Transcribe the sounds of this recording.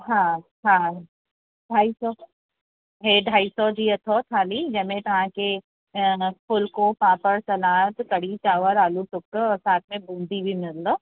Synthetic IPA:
ɦã | ɦãː | ɖʱaːisɔ | ɦeɖʱaːisɔd͡ʒiɐt̪ʰokʰaːlid͡ʒɐmẽt̪ɐɦãke | pʰʊlkopaːpəɾsɐlaːt̪kɐɽit͡ʃaːʋəɾaːluʈʊkːɔːɾsaːt̪̚ʰmẽbũːnd̪ʱibʱimɪɾlːoː

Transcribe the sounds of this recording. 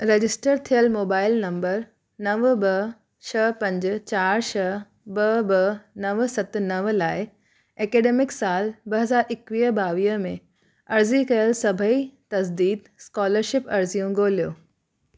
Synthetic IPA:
ɾed͡ʑɪsʈəɾt̪ʰijəlmoːbaːɪlnɐ̃mbəɾ | nɐʋbɐ | t͡ɕʰɐpɐ̃ɲd͡ʑ̆t͡ɕaːɾʃɐ | bɐbɐnɐʋ̆sɐt̪ʊ̆nɐʋ̆laːɪ | ɛːkeːɖeːmɪksaːlbɐɦɐzaːɾɪkʋiːəbaːʋiːəmẽ | ɐɾzikɐjəlsɐbʱəit̪ɐsd̪iːd̪ | skɔːləɾʃɪpɐɾzijũɡoːlijoː

